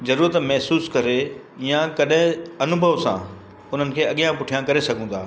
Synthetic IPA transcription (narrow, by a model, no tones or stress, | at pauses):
zɐɾuːɾət̪mɛɦsuːskɐɾe | ijãkɐɗɦɪ̃ɐnʊbʱəʋsã̰ | ʊn̤ənɪ̆kʰeːɐɠijãpʊʈʰijãkɐɾesɐɡʱũːd̪ʰa̰ː